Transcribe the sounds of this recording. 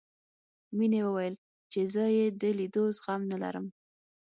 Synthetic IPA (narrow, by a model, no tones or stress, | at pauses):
minewəwajəl | t͡ʃezəjed̪əlid̪ozɣamnala̰ɾəm